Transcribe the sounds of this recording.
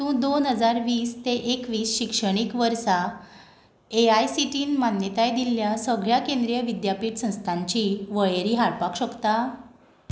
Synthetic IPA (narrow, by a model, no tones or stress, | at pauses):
t̪ũd̪onɦəd͡zaɾʋiːst̪eʔekʋiːsɕikʂəɽ̃ikʋəɾsa | eajsiʈiːnmanjət̪ajd̪ilːjasəɡɭjakẽnd̪ɾijəʋid̪japiːʈsə̃w̃st̪ʰãɲt͡ɕiʋəjeɾiːɦaɭpakɕəkt̪a